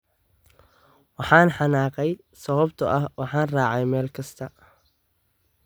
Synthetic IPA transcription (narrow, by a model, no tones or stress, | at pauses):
wɑħɑːnħɑnaːqɛj | sɐβɐbt̪ʰʊʔɐhwɑħɑːnraːʕɛjmɛːlkʰɐst̪ʰɐ